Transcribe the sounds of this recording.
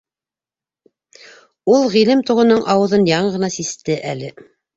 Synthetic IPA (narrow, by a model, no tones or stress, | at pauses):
ulˠʁilɘmt̪uʁɤ̆nɤɴʔɑwɤ̆ðɤnjɑɴʁɤ̆nɑsist̪ɘʔælɘ